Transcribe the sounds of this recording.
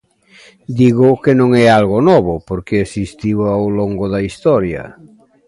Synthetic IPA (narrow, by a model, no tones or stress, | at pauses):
d̪iɣʊkenõŋɛalɣonɔβʊpoɾkeesist̪iwawloŋɡoðaist̪ɔɾjɐ̰